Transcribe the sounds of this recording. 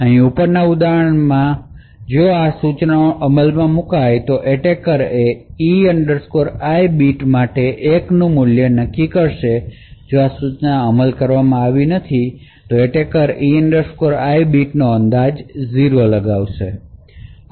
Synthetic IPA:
əɦĩupəɾnaud̪aɦəɳmã | d͡ʒoasut͡ʃnʔəməlmãmũkajt̪oʔeʈekəɾeiəɳɖəɾskoɾajbiʈmaʈeʔeknũmʊljənəkːikəɾʃe | d͡ʒoasut͡ʃnaəməlkəɾʋamãaʋinət̪ʰit̪oeʈekəɾiəɳɖəɾskoɾajbiʈnoənd̪ad͡ʒziɾoləɡaʋʃe

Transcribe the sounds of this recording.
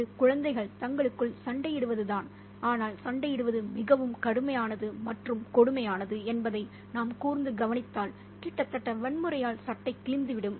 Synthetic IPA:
ɯkʊɻɐnd̪ɐɪɣɐɭt̪ɐŋɡɐɭɯkːɯɭsɐɳɖɐjɪɽɯʋɐðɯðaːn | aːnaːlsɐɳɖɐjɪɽɯʋɐðɯmɪɣɐʋɯmkɐɽɯmɐjaːnɐðɯmɐʈrɯmkɔɽɯmɐjaːnɐðɯɛnbɐðɐɪ | naːmkuːɾnd̪ɯɡɐʋɐnɪt̪ːaːl | kiːʈːɐt̪ːɐʈːɐʋɛɳmɯɾɐjaːlsɐʈːɐɪkːɪɭɪnd̪ɯʋɪɽɯm

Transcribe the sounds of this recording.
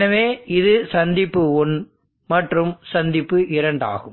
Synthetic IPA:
nɐʋeːɪðɯsɐnd̪ɪpːɯɔn | mɐʈrɯmsɐnd̪ɪpːɯʔɪɾɐɳɖa̰ːɣɯm

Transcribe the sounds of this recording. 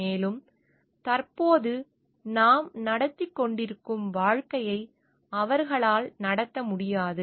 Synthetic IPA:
eːlɯm | t̪ɐɾpoːðɯ | naːmnɐɽɐt̪ːɪkːɔɳɖɪɾɯkːɯmʋaːɻkɐjɐɪ | ɐʋɐɾɣɐɭaːlnɐɽɐt̪ːɐmʊɽɪjaːðɯ

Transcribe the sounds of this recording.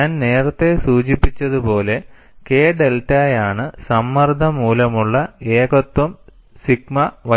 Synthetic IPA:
aːnne̞ːrɐt̪ːe̞suːt͡ɕipːit͡ɕːɐðupo̞ːle̞ | ke̞ːɖe̞ltaːjaːɳɨsɐmːɐrd̪ʱɐmuːlɐmuɭːɐe̞ːɡo̞t̪wɐm | siɡ̚mɐʋɐ

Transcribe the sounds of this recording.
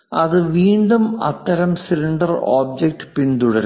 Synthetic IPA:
ɐðɨʋiːɳɖumɐ̰t̪ːɐɾɐmsiliɳɖɐro̰ːb̚d͡ʑek̚ʈɨpint̪uɽɐɾu

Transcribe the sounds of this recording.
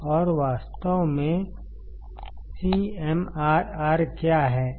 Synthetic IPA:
ɔːɾʋaːst̪əʋmẽ | siɛmaːɾaːɾkjaːɦɛː

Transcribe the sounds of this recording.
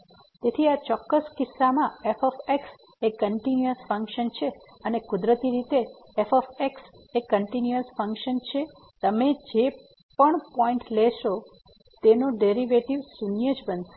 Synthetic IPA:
t̪et̪ʰiat͡ʃɔkːəskɪsːamãefɔfeks | ekːəɳʈinuəsfəŋkʃənt͡ʃʰe | ənekʊd̪ɾət̪iɾit̪eː | fɔfeks | ekːəɳʈinjuəsfəŋkʃənt͡ʃʰe | t̪əmed͡ʒe | pəɳpɔĩɳʈlɛʃo | t̪enoɖeɾiʋeʈiʋsunjəd͡ʒbən

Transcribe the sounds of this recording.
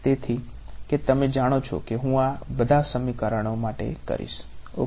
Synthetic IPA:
t̪et̪ʰi | ket̪əmed͡ʒaɽ̃ot͡ʃʰo̰keɦũabəd̪ʱasəmikəɾəɽ̃omaʈḛkə̰ɾḭʃo̰

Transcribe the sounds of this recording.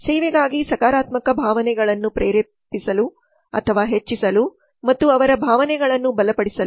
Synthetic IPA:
sɛːʋɛɡaːɡisɐkaːɾaːt̪mɐkɐbʱaːʋɐnɛɡɐɭɐnːupɾeːɾe | pisɐlu | ɐ̰t̪ʰɐʋaːɦet͡ʃːisɐlu | mɐt̪ːuɐʋɐɾɐbʱaːʋɐnɛɡɐɭɐnːubɐlɐpɐɽisɐlu

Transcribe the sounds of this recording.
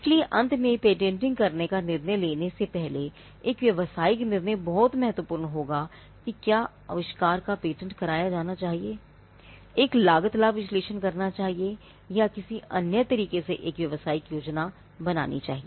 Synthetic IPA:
ɪslieʔɐ̃nt̪ʰmẽpeːʈ̬ẽɳʈɪ̃ŋɡ̚kɐɾnekanɪɾnəjleːnesepɛɦle | eːkʋjɐʋəsaːɪknɪɾnəjbɔɦt̪mɛɦət̪ʋəpʊːɾnɦoːɡa | kikjaː | ɐ̰ʋɪʃkaːɾkapeːʈə̃ɳʈkɐɾaːjad͡ʒaːnat͡ʃaːɦieː | eːklaːɡət̪laʋɪsleːʃənkɐɾnat͡ʃaːɦie | jakɪsiɐnjət̪ɐɾiːkeseʔeːkʋjɐʋəsaːɪkjoːd͡ʒna | bɐna̰ːnḭt͡ʃa̰ːɦieː

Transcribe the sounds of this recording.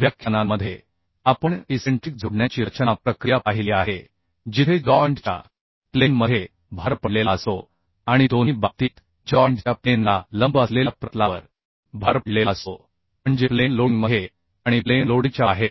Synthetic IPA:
ʋjakʰjənamːəd̪ʱːje | apəɳiseɳʈɾik̚d͡zʱuɽɳjat͡ɕiːɾət͡ɕənapɾəkɾijapaɦiliaɦe | d͡ʑit̪ʰed͡zɔəɳʈt͡ɕa̰ | plenməje | bʱaɾpəɽlelaəso | aɽ̃id̪oniːbat̪iːt̪ | d͡ʑɔəɳʈt͡ɕjaplenlaləmbəslelapɾət̪laʋəɾ | bʱaɾpəɽlelaəso | məɳd͡ʑeplenloŋɡməje | aɽ̃iplenloɽit͡ɕjaɦe

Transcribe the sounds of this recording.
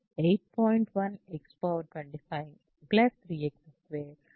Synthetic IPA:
eɪʈ̚pʰɔːɪɳʈʋɐ̃nɛkspoːʈwɛ̃ɳʈifajɪ̃ŋ | blɛsʰɾiɛksesʋeːɾ

